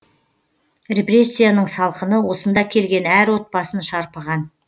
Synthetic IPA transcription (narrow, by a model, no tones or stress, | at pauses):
rʲe̞pre̞sʲːijanəɴsɑlˠqənəwo̞sənd̪ɑkʲʰe̞lɡʲe̞næɾwo̞t̪̚pɑsənʃɑɾpəʁɑn